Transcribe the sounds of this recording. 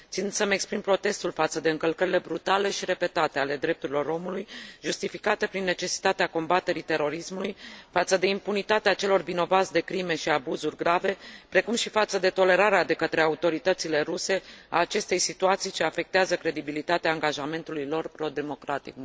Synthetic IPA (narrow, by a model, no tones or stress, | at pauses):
tt̪sind̪səmekspɾimpɾo̞t̪e̞st̪ulfat̪səd̪e̞ɨŋkəlkəɾile̞bɾut̪ale̞ʃiɾe̞pe̞t̪at̪eale̞d̪ɾe̞p̚t̪uɾilo̞ɾo̞mulujʒust̪ifikat̪əpɾinːe̞t͡ʃe̞si̥t̪at̪eako̞mbat̪e̞ɾit̪e̞ɾo̞ɾismulujfat̪səd̪e̞impunit̪at̪eat͡ʃe̞lo̞rvino̞vat̪sd̪e̞kɾime̞ʃiabuzurʲɡɾave̞pɾe̞kumʃifat̪səd̪e̞t̪o̞le̞ɾaɾead̪e̞kət̪ɾe̞aut̪o̞ɾit̪ət̪sile̞ɾuse̞a̰ːt͡ʃe̞st̪e̞jsit̪uat̪sijt͡ʃeafe̞k̚t̪eazəkɾe̞d̪ibilit̪at̪eaːŋɡaʒame̞nt̪ulujlo̞rpɾo̞d̪e̞mo̞kɾat̪ḭk̚